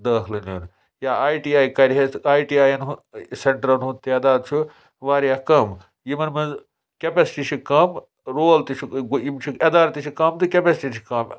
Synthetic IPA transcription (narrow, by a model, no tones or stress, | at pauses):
d̪ɐːkʰlɨnjuːn | jaːaːjʈiːaːjkɐɾʲɦeaːjʈiaːjɐnɦuseɳʈɾɐnɦunt̪ɐd̪aːd̪̚t͡ʃʰu | ʋaːɾjaːkɐm | jimɐnmɐnz | kʲepesiʈit͡ʃʰikɐm | ɾoːlt̪it͡ʃʰuɡujimt͡ʃʰuɐd̪aːɾɐt̪it͡ʃʰikɐmt̪ɨkʲepesʈit͡ʃʰi̥kɐm